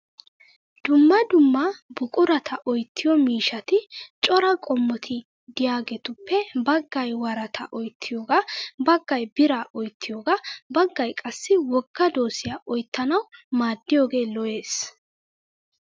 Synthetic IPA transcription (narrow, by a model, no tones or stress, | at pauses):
d̪̥ʊmːɐd̪ʊmːɐbʊkʼʊɾɐt̪ʰɐʔɔjt̪ʰːɪjɔmiːʃɐt̪ɪt͡ʃʼɔɾɐkʼɔmːɔt̪ʰɪ | d̪ɪjaːɡɛt̪ʊpːɛbɐɡːɐjwɐɾɐt̪ʰɐ̰ʔɔjt̪ʰːɪjoːɡabɐɡːɐjbɪɾaʔɔjt̪ːɪjoːɡabɐɡːɐjkʼɐsːɪwɔɡːɐd̪o̞ːsɪjaʔɔjt̪ːɐnɐwmaːd̪ːɪjoːɡe̞ːlɔje̞ːs